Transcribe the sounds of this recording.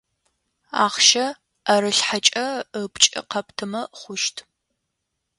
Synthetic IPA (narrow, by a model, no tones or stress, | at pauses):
a̰ːχʃɐ | ɐɾɨɬħat͡ʃʼɐəpt͡ʃʼɪ̰qɐptʰɨmɐχʷʊʃtʰ